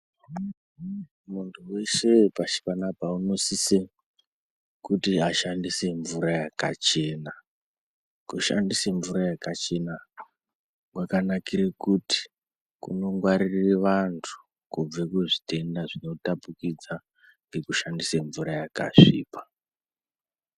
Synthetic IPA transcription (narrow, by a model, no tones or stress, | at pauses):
muntʰuwe̞se̞paʃi̥panapauno̞sise | kutiaʃandise̞ɱvuɾajaka̰t͡ʃe̞na | kuʃa̰ndiseɱvuɾajakat͡ʃe̞na | wakanakiɾekuti̥ | kṵno̞ŋɡwaɾireʋantʰu̥ | kub͡vekeʐite̞ndaʐino̞tapukid͡za | ŋɡe̞kuʃandiseɱvuɾajaka̰ʐḭːpḁ